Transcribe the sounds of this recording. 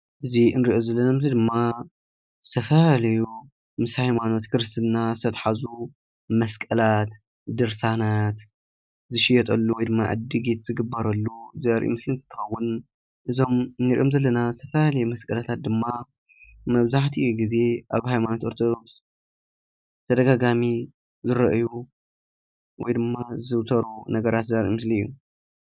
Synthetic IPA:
ʔɨziɨnɾiʔozɐlːɐnamɨzid̪ɨmːa | z̥ɨt̪ʰɐfɐalɐju | mɨshajmano̞t̪kʰɨɾɨst̪ʰɨnːazɨt̪ʰɐt̪ħazu | mɐskʼɐlat̪ | d̪ɨɾsanat̪ | zɨʃijɛt̪ʼɐlːuwɔjd̪ɨmːa̰ʕɨ̰d̪iɡet̪zɨɡɨbːɐɾɐlːuzɐɐɾʔṵmɨslɨnzɨt̪ʰɐxɐwːʊn | ʔɨzo̞mnɨɾḭʔo̞mzɐlːɐnazɨt̪ʰɐfɐlalɐjɛmɐskʼɐlat̪ʰat̪̚d̪ɨmːa | mɐβzaħt̪ʰiʔjuɡize̞ʔaβhajmanot̪ʔo̞ɾt̪ʰod̪o̞ks | t̪ʰɐd̪ɐɡaɡami | zɨɾɐʔju | wɔjd̪ɨmːazɨwt̪ʰɐɾunɐɡɐɾat̪zɐɾʔḭmɨsliɨjːu

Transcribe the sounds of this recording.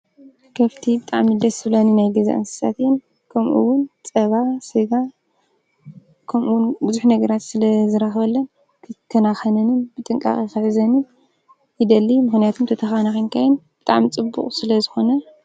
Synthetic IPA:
kʰɐft̪ʰibɨt̪ʼaʕmid̪ɐsɨβlaninajɡɐza̰ʔa̰nsɨ̥sa̰t̪jɛn | kʰɐmʔuwʊnt͡sʼɐβasɨɡa | kʰɐmʔuwnbuzuħnɐɡɐɾat̪sɨlɐzɨɾaxβɐlːɐnʰ | ɨkʰɐnaxɐnɐnɨnbɨt̪ʼɨŋkʼa̰χʼixɨħɨzɐnɨn | jid̪ɐlːimɨxnijat̪ʰumt̪ʰɐt̪ʰɐxanaxinkʰajɪnb̥ɨt̪ʼa̰ʕmit͡sʼɨbːṵkχʼsɨlɐzɨxo̞nɐ

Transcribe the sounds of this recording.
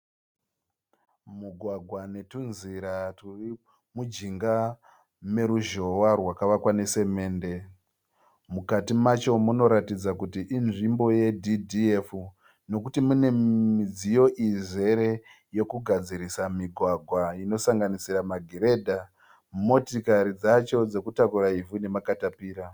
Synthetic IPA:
muɡʱwaɡʱwane̞tunziɾaturi | mud͡ʒiŋɡa | me̞ɾuʒo̞warwakaʋakwane̞se̞me̞ːnde̞ | mukatimat͡ʃo̞muno̞ɾatid͡zakutiʔːnʐimbo̞je̞dʱidiefu | no̞kutimune̞id͡zijo̞ʔize̞ɾe̞ | jo̞kuɡʱad͡ziɾisamiɡʱwaɡʱwaino̞saŋɡanisiramaɡʱeɾe̞dʱa | mo̞tikaɾid͡zat͡ʃo̞d͡ze̞kutakuɾaivune̞makatapiːɾa

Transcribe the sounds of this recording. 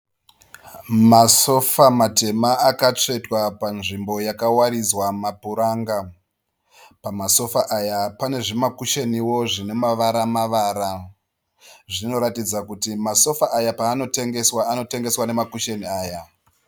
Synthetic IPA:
maso̞famate̞maakat͡ʂe̞twapanʐimbo̞jakawaɾid͡zwamapuɾaːŋɡa | pamaso̞faʔajapane̞ʐemakuʃeniwo̞ʐine̞maʋaɾamaʋaːɾa | ʐino̞ɾatid͡zakutimaso̞faʔajapaːno̞te̞ŋɡe̞swaːno̞te̞ŋɡe̞swane̞makuʃeniaːja

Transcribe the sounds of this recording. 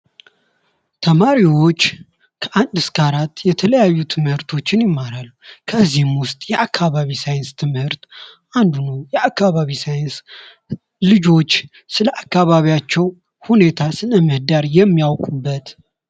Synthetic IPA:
t̪ʰəmaɾiwo̞t͡ʃː | kʰəʔand̪ɨskaɾat̪ːjɛt̪ʰələjajːut̪ʰɨmhɨɾt̪ʰo̞t͡ʃːɪnjɪmːaɾalːukʰəzːihɨmwʊst̪ʼjɛʔakʰːaβaβisajɪnst̪ʰɨmhɨɾt̪ʔand̪unəwjɛʔakːaβaβisajɪns | lɨd͡ʒo̞t͡ʃː | sɨləʔakːaβaβijat͡ʃːɛw | hune̞t̪ʰasɨləmɨhd̪aɾjɛmːijawkʼubːət̪

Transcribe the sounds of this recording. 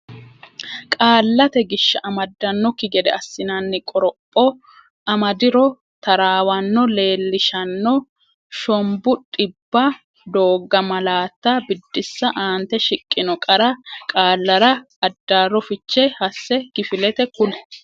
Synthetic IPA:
kʼaːlːɐt̪ɛɡɪʃːɐʔɐmɐd̪ːɐnːɔkɪɡɛd̪ɛɐsːɪnɐnːɪkʼɔɾɔpʼːɔ | ɐmɐd̪ɪɾɔ | t̪ɐɾaːwɐnːɔle̞ːlːɪʃɐnːɔ | ʃɔmbʊᶑʼɪbːɐ | d̪o̞ːɡːɐmɐlaːt̪ːabɪd̪ːɪsːɐʔaːnt̪ɛʃɪkʼːɪnɔkʼɐɾɐkʼaːlːɐɾɐː | d̪ːaːɾɔfɪt͡ʃːɛhɐsːɛkɪfɪlɛt̪ɛkʊlɛ̥

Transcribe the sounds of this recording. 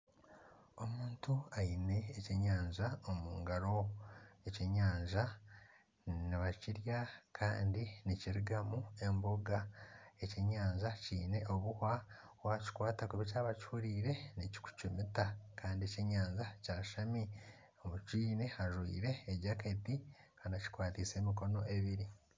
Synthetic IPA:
o̞muːntuajine̞ːceɲaːɲʒaomuːŋɡaɾo̞eceɲaːɲʒa | niβaciɾjakʰa̰ːndiniciɾiɡamue̞mboɡae̞ceɲaːɲzaciːne̞ʔoβuha | waci̥kwaːtakuβicaːβat͡ʃuːɾiːɾe̞nici̥ku̥t͡ʃumitakaːndieceɲaːɲʒacaːʃami | omuciːne̞aʒwḭːɾe̞ːɟaketi | kanaci̥kwaːtise̞ːmiko̞no̞e̞βiɾi

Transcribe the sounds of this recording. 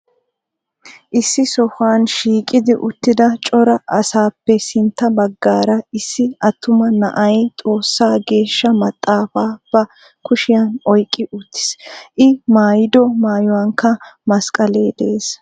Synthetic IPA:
ʔɪsːɪsɔfaːnʃiːkʼɪd̪ɪʔʊt̪ːɪd̪ɐt͡ʃʼɔɾɐɐsaːpːɛsɪnt̪ːɐbɐɡːaːɾɐɪsːɪɐt̪ʰːʊmɐnɐʔɐjt̪ʼo̞ːsːaːɡe̞ːʃːɐmɐt̪ʼːaːfaːb̥ɐ | kʊʃɪjanɔjkʼːɪʔʊt̪ːɪ̥sʔɪmaːjɪd̪ɔmaːjɔwaːŋkːɐmɐskʼɐleːd̪ɛeːs

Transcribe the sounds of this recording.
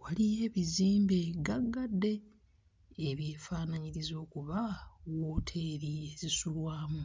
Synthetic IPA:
walije̞ːβiziːmbeɡaɡːadːe̞ː | βjeːfaːnaɲiɾizo̞ːkuβawo̞ːtʰe̞ːɾiezisulwaːmu

